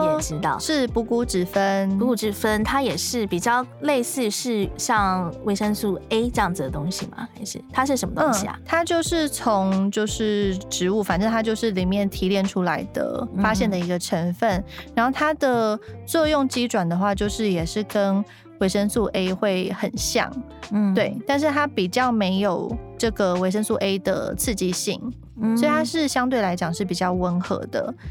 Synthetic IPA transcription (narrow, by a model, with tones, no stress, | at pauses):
ʈ͡ʂɻ̩˧˥t̪ɑ˥˩˨ʊʂɻ̩˥˩pu˧˥ku˥ʈ͡ʂɻ̩˨˩fə˦nu˧u˥˩ʈ͡ʂɻ̩˨˩fə˦nt̪ʰa˥jɛ˨˩ʂɻ̩˥˩pi˨˩t͡ɕjɑ˥˩ʊle˥˧ɪsɹ̩˥˧ʂɻ̩˥˧ɕjɑ˥˩ŋwe˧˥ɪʂə˥ŋsu˥˩e˥ɪʈ͡ʂə˥˧ɑ˥˨ŋd͡z̩˨˩d̪ə˨˩t̪o˥ŋɕḭ˨ma̰˨xa˧˥ɪʂɻ̩̰˥˩t̪ʰa˥ʂ̬ɻ̩˥˩ə˧˥nmə˧t̪̩˥˩ɕḭ˨a̰˨˩t̪ʰa˥t͡ɕjo˥˧ʊʂɻ̩˥˩t͡sʰo˧˦ŋt͡ɕjo˥˧ʊʂɻ̩˥˩ʈ͡ʂɻ̩˧˥u˥˩fa˨˩nʈ͡ʂə˥˩t̪ʰa˥t͡ɕjo˥˧ʊʂɻ̩˥˩li˨˩mjɛ˥˩nt̪ʰi˧˥ljɛ˥˩nʈ͡ʂʰu˥la˧˥ɪd̪ə̰˧˩fa˦ɕjɛ˥˩nd̪ə˩i˧˥ɡə˧ʈ͡ʂʰə˧˥nfə˥˩nɻa˧˥nxo˥˩ʊt̪ʰa˥d̪ə˨t͡swɔ˥˧jʊ˥˩ŋt͡ɕi˥ʈ͡ʂwa˨˩nd̪ə˩xwa˥˧t͡ɕjo˥˧ʊʂɻ̩˥˩jɛ˨˩ʂɻ̩˥˩kə˦˥n | we˧˥ɪʂə˥ŋsu˥˩ʔe˥ɪxwe˥˩ɪxə˨˩nɕjɑ̰˥˩ŋ | t̪we˥˩ɪt̪a˥˧nʂ̬ɻ̩˥˩t̪ʰa˥pi˨˩t͡ɕjɑ˥˩ʊme˧˥ɪjo˨˩ʊʈ͡ʂɤ˥˩ɡə˩we˧˥ɪʂə˥ŋsu˥˩ʔe˥ɪd̪ə̰˨˩t͡s̩ʰ˥˧t͡ɕi˥˧ɕḭ˥˩ŋ | swɔ˥i˨t̪ʰa˥ʂɻ̩˥˩ɕjɑ˥ŋt̪we˥˩ɪla˧˥ɪt͡ɕjɑ˨˩ŋʂɻ̩˥˩p̬i˨˩t͡ɕjɑ˥˩ʊwə˧˥nxɤ̰˧˥˦d̪ə̰˨